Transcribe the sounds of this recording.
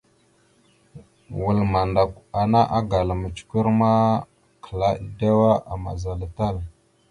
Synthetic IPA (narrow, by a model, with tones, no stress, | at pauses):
wu˨lma˨nda˨ka˨na˦ʔa˦ɡa˨la˨mə˨t͡ʃu̥˨˦ku˦ɾma˦ | kʰə˨la˦˨˦da˦wa˦a̰˨ma̰˨za˨la˨ta˦l